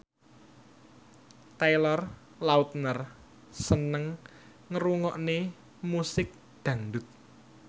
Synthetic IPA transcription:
t̪ajlɔr | laut̪̚nər | sənəŋ | ŋəɾuŋɔʔne | musɪk̚ | d̪̥ä̤ŋdʊt̪̚

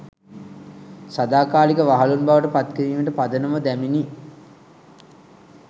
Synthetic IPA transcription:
sad̪aːkaːlikəʋaɦalunbaʋəʈəpat̪kəɾiːməʈəpad̪ənəməd̪æmini

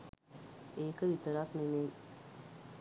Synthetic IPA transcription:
eːkəʋit̪əɾakneme

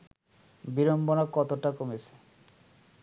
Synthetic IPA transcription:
biɾombonakɔt̪oʈakomet͡ɕʰe̥

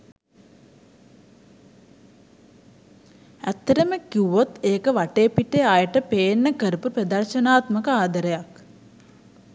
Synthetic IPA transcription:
æt̪ːəɾəməkiʋot̪eːkəʋaʈeːpiʈeajəʈəpeːnːəkəɾupupɾɐd̪ɐrʃənaːt̪məkəaːd̪əɾəjak

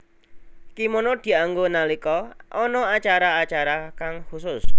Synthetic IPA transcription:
kimonɔd̪̥i̤aŋɡonalikɔʔɔnɔat͡ʃaɾaat͡ʃaɾakaŋhusʊs

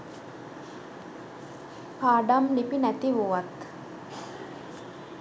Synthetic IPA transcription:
paːɖamnipinæt̪iʋuʋat̪

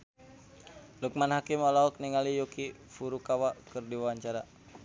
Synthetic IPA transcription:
luk̚manhakimɔlaɦɔk̚niŋalijuki | fuɾukawakɨrdiwawaɲt͡ʃaɾa

